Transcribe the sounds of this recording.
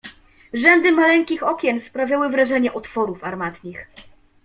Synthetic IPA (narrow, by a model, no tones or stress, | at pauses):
ʐɛnd̪ɘmalɛŋkʲixɔkʲjɛnspɾavʲjawɘvɾaʐɛɲɛʔɔt̪fɔɾufaɾmat̪ɲʲix